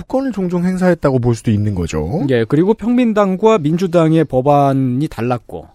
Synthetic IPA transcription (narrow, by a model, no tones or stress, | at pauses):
puk͈ʌnɯɭt͡ɕoŋd͡ʑoŋɦe̞ŋs̬ʰaɦe̞t̚t͈aɡop̬oɭs̬͈udoinːɯnɡʌd͡ʑo̰je̞kɯɾiɡopʰjʌŋmindaŋɡwamind͡ʑudaŋe̞pʌbanitaɭːak̚k͈o̰